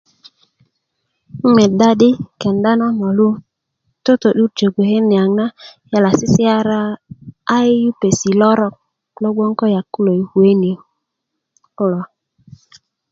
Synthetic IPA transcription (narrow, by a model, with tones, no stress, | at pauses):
me˨da˦ɗi˦ke˨nda˦na˦mo˨lu˦ | to˦t̪o˨ɗu˦ɾd͡ʒo˨ɡe˨he˦nːe˨a˨ŋna˦ | ja˦˨la˨si˦si˦a˦ɾaː˦ | jju˦pe˨si˨lo˦ɾo˦k̚ | lo˦ɡ͡bo˦ŋko˦ja˨kːu˦lo˨jhu˨e˦ni˨ | ku˦lo˨